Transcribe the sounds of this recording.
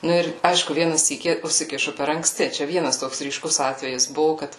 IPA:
ˈnʊ ɪr ˈɐɪʃkʊ ˈʋʲiɛnɐ ˈsʲiːkʲiː ʊsʲɪˈkʲɪʃʊ pʲɛr ɐŋkˈsʲtʲɪ t͡ʃʲɛ ˈʋʲiɛnɐs ˈtoːks rʲiːˈʃkʊs ˈɑːtʲʋʲɛjɪs ˈbʊʋʊ ˈkɐt

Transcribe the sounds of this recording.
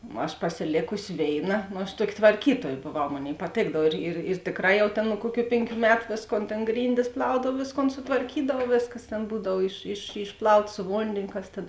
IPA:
ɐʃ pɐsʲɪˈlʲeːkʊsʲɪ ˈʋʲeːɪˌnɐ noː ɐʃ ˈtuɔkʲɪ tʋɐrʲˈkʲiːtuɔj boːˈʋɐʊ ˈmoːnʲeːɪ pɐˈtʲeːɡdɐw ɪr ɪr ɪr ˈtʲeːkˌrɑː ˈjɛʊ ˈtʲeːn nʊ ˈkuɔˌkʲuː ˈpʲeːŋʲˌkʲuː ˈmʲæːtʊ ˈʋʲeːsˌkoːn tʲeːn ˈɡrʲiːnʲdʲɪs ˈplˠɐʊdɐw ˈʋʲeːsˌkoːn sʊtʋɐrʲˈkʲiːdɐw ˈʋʲeːsˌkɐs ˈtʲeːn ˈbuːdɐw ɪʃ ɪʃ ɪʃˈplˠɐʊtɐ sʊ ˈʋoːnʲdʲeːnʲoː ˈkɐs tʲeːn

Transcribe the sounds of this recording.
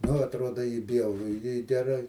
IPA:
nʊ ɐtˈruɔdɐ ɪ ˈbʲjɛʊrʊ ɪ ɡʲɛˈrɐɪ

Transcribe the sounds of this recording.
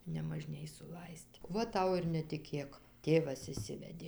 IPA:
nʲɛmɐˈʒʲnʲeːj sʊˈlˠɐɪsʲtʲ ˈʋɐ ˈtɐʊ ɪr nʲɛtʲɪˈkʲeːk ˈtʲeːʋɐs ɪʃʲˈsʲɪʋʲɛdʲeː

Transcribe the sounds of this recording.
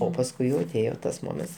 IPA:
oː pɐsˈkʊɪ jɛʊ ɐˈtʲeːjoː tɐs ˈmoːmʲɛnts

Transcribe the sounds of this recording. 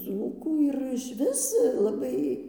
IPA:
ˈd͡zuːkuː ɪr ɪʃʲˈʋʲɪs lˠɐˈbɐɪ

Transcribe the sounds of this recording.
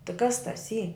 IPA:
tɨ kɐs tɐs ˈiː

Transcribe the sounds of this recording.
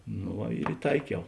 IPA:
noː ˈʋɐ ɪr ɪˈtɐɪkʲɛʊ

